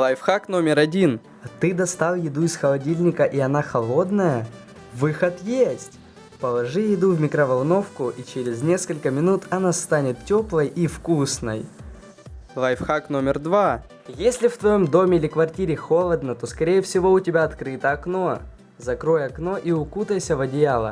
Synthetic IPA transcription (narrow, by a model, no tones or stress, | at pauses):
lˠɐjfxakno̞mʲɪɾɐdʲin | t̪ɨd̪ɐst̪alˠjɪd̪uɪsxəlˠɐdʲilʲnʲɪkəʔiɐnaxɐlˠo̞d̪nəjə | vɨxət̪jesʲtʲ | pəlˠɐʐɨjɪd̪uvmʲɪkɾəvɐlˠno̞fkʊʔit͡ɕeɾʲɪznʲe̞skəlʲkəmʲɪnut̪ɐnast̪anʲɪt̪tʲːo̞plˠəjifkusnɨj | lˠɐjfxaknomʲɪrd̪va | jesʲlʲɪft̪vɐjo̞md̪o̞mʲɪilʲɪkvɐrtʲiɾʲɪxo̞lˠəd̪nət̪o̞skɐɾʲejɛfsʲɪvo̞ʊtʲɪbʲaɐt̪kɾɨt̪əɐkno̞ | zɐkɾo̞jɐkno̞ʔiʊkut̪əjsʲəvɐdʲɪjalˠə̰